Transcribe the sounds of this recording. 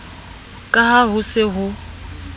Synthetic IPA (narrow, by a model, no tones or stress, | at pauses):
kʼaɦaɦʊsɪɦʊ